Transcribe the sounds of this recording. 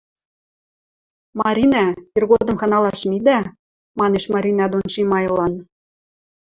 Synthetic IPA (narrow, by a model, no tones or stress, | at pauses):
mɑɾʲinɑirɣod̪ɤ̆mxɑnɑlɑʃmid̪æ | mɑneʃmɑɾʲinɑd̪onʃimɑjlɑn